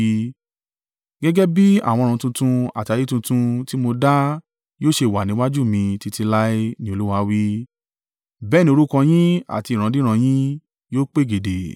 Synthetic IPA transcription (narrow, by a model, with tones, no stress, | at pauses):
ɡɛ˦ɡɛ˦bi˦a̰˦˨w̃ɔ̃˧ũ˧tũ˧tũ˧a̰˨ti˧a˧ji˦tũ˧tũ˧ti˦mo˧da˦ | joː˦ʃe˧˨wa˨nĩ˨˦wa˦d͡ʒu˦˨mĩ˧ti˧ti˧la˦i˦nĩ˦o˧lu˦wa˧˦wi˦ | bɛː˦nĩ˦o˧ɾu˦kã˧j̃ĩ˦a̰˨ti˧˨ɾ̃ã˨˧dĩ˦ɾ̃ã˧j̃ĩ˦ | joː˦k͡pe˦˨ɡe˨de˨